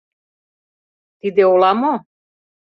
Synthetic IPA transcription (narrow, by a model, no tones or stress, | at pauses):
t̪id̪eolamo